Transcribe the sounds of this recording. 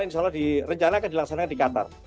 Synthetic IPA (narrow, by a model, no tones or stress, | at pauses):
inʃɔlːahdirəɲt͡ʃanaːkandilaksanakandikat̪a̰r